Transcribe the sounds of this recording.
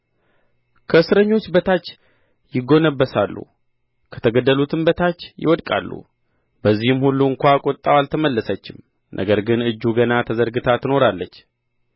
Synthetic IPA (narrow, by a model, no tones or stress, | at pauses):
kʰəɨsɾəɲːo̞t͡ʃːbət̪ʰat͡ʃː | jɪɡo̞nəbːəsalːṵ | kʰə̥t̪ʰəɡəd̪ːəlut̪ʰɨmbət̪ʰat͡ʃːjɪ̰wɔd̪kʼa̰lːṵ | bəzːihɨmhulːuɨŋkʷakʼot̪ʼːawalt̪ʰəməlːəsət͡ʃːɪm | nʔə̰ɡəɾɡɨnɨd͡ʒːuɡənat̪ʰəzəɾɡɨt̪ʰat̪ʰɨno̞ɾalːət͡ʃː